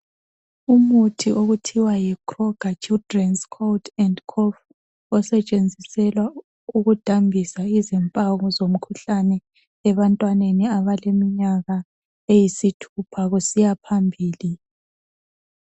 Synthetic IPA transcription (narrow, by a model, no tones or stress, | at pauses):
umutʰiʔoɣutʰiwajikʰʼrɔɡ̥ʱat͡ʃʰʼidrɛnskʰoltʰɛndkʰɔf | ɔsɛt͡ʃʼend͡zʱisɛlwa | uɣud̥ʱambʱisaizɛmpʼaɣuzom̩kʰuɬanɛ | ɛβantʼwaneniaβalemiɲaɣa | ejisitʰupʰaɣusijapʰambʱiːli